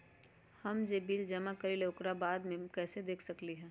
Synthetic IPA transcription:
hɐmd͡ʒeːbiːld͡ʒɐmakəɾiloːkɾabaːd̪mẽkɛːsed̪eːkʰsɐkliɦɛ̃ː

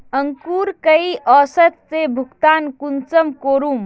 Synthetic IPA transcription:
əŋkuːɾkɐiʔɔːsət̪sebʱʊkt̪aːnkunt͡ʃəmkoːɾuːm

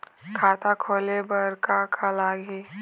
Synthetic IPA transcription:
kʰaːt̪akʰoːlebəɾkakʰalaːɡi

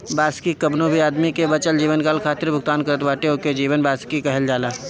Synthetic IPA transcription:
baːskikɐbnoːbʱiaːd̪mikebɐt͡ʃəld͡ʒiːʋənkaːlkʰaːt̪ɪɾbʱʊɡt̪aːnkəɾət̪ʋaːʈeoked͡ʒiːʋənbaːskikɐɦəld͡ʒaːlaː

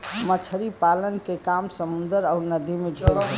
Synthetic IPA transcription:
mət͡ʃʰəɾipalənkekamsəmund̪əɾaʊnəd̪ʱimeɖʱel

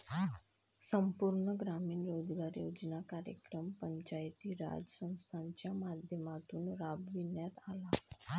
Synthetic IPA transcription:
səmpuɾɳəɡɾamiːnjod͡zɡaɾjod͡znakaɾjə̰kɾəmpəɲt͡ɕajt̪iːɾa̰d͡zəsə̃w̃st̪ʰaɲt͡ɕjamad̪ʱjəmat̪uːnɾabʋinjat̪ala

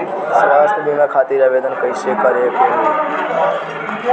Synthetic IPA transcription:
sʋaːsʈəbinakʰaːt̪iɾaʋed̪ənkəjʃekəɾeke

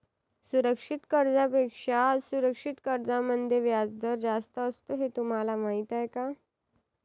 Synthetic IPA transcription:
suɾəkʂit̪kəɾd͡zapekʂasuɾəkʂit̪kəɾd͡zãmənd̪ʱjeʋjad͡zd̪ʱəɾd͡zast̪əːst̪oɦet̪um̤alamaɦit̪ajka

